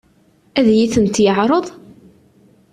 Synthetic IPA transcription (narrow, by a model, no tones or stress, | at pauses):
æðjiθənt̪jəʕɾˤəðˤ